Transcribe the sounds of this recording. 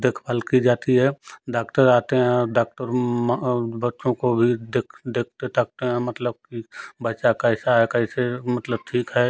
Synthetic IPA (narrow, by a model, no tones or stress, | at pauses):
d̪eːkʰbaːlkid͡ʒaːt̪iɦɛːɖaːkʈəɾaːt̪eɦɛ̃ɖaːk̚ʈəɾmbətːʃõkobʱid̪eːkʰd̪eːk̚ʰt̪et̪ək̚t̪eɦɛ̃mət̪ləb̚kibətːʃakəɪsaɦɛkəisemət̪ləb̚ʈʰiːkɦɛ